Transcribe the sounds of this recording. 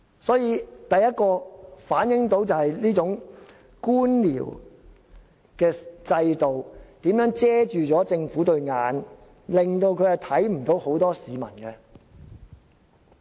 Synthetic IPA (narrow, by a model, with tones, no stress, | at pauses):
sɔː˨˥jiː˨˧t̪ɐ˨jɐ˥t̚kɔː˧faː˨˥njɪ˨˥ŋt̪o˨˥wt͡sɐ˨whɐ˨jliː˥t͡sʊ˨˥ŋ | kuː˥nlḭː˨˩w | kɛː˧t͡sɐ˧jt̪o˨wt̪iː˨˥mjœː˨˥ŋt͡sɛː˥t͡ʃyː˨t͡sɔː˨˥t͡sɪ˧ŋfuː˨˥t̪ɵ˧ɥŋaː˨˧n | lɪ˨ŋt̪o˧wkʰɵ˨˧ɥhɐ˨˩t̪ʰɐ˨˥jm̩˨˩t̪o˨˥who˨˥wt̪ɔː˥siː˨mɐ̰˨˩nkɛ˧